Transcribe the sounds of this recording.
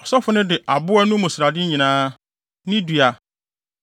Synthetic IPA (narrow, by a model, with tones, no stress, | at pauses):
ɔ˨sɔ˦fʊ˦nɪ̃˦dɪ˨ʔa˨bʊ˦ɛ˦nũ˦mʊ̃˨sɪ˨ɾa˨dɪ˦ɲĩ˨nãː˦ | nɪ̃˦dɥa˨